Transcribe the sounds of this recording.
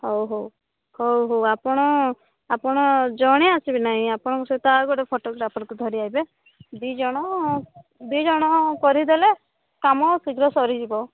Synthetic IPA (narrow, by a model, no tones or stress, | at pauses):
howɦow | howɦowapɔɽ̃ɔ | apɔɽ̃ɔd͡ʒɔɽ̃easibinaɦĩapɔɽ̃ɔkuset̪aɡɔɽepʰoʈoɡɾapʰɔɾkud̪ʱɔɾiajbe | d̪id͡ʒɔɽ̃ɔ | d̪id͡ʒɔɽ̃ɔkɔɾid̪ele | kamɔsiɡɾɔsɔɾid͡ʒibɔ